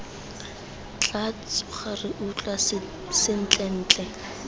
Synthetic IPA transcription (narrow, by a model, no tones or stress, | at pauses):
t͡ɬʼat͡sʼʊχarɪʔut͡ɬʼa | sɪn̩t͡ɬʼɛn̩ːt͡ɬʼɛ